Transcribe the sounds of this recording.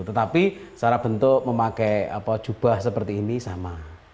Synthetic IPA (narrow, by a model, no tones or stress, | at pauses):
t̪ət̪apisaɾab̥ənt̪ʊʔməmakɛa̰pɔd̥ʒ̥ṳb̥a̤hsəpərt̪iːnisama